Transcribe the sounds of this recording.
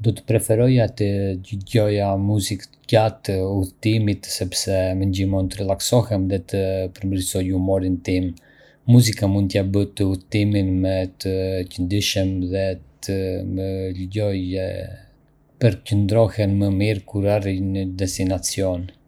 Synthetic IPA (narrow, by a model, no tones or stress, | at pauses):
d̪ɔt̪ə̥pɾɛfɛɾɔjat̪əɟəɟɔjamuzik̪ | ɟat̪əuθt̪imit̪sɛpsɛməɲɟimɔnt̪əɾəlˠaksɔhɛmðɛt̪əpəɾmɾisɔjumɔɾint̪imː | uzikamunt̪jabət̪əuθt̪iminmɛt̪əcənd̪iʃəmðɛt̪ʰəmələɟɔj | pəɾcənd̪ɾɔhɛnməmiɾkuɾarinəd̪ɛst̪inat͡siɔn